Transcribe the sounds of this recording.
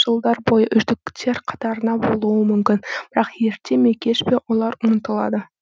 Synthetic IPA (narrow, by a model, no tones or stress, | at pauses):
ʒ̥əlˠd̪ɑɾbo̞jəʔʏʒd̪ɪkʲt̪ʰe̞ɾqʰɑ̥t̪ɑɾənɑbo̞lˠuəmʏmkʲɪnb̥ɪɾɑqje̞ɾt̪ʰe̞me̞kʲe̞ʃpe̞wo̞lˠɑɾʊnət̪əlˠɑ̰d̪ə